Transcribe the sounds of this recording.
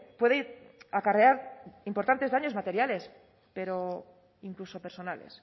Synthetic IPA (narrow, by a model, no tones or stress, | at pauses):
pwe̞ðeakare̞aɾimpo̞ɾt̪ant̪e̞zðaɲo̞zmat̪e̞ɾjale̞s | pe̞ɾo̞ | iŋkluso̞pe̞ɾso̞nale̞̰s